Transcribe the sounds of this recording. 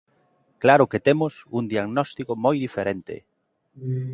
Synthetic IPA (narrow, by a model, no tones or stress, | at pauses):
klaɾʊket̪emʊsund̪iaɣnɔst̪ikomojðifeɾent̪ɪ̰